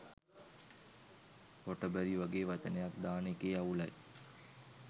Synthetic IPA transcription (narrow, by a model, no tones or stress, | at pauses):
hoʈəbæɾiʋaɡeːʋat͡ʃənejak̚d̪aːnekeːaulaj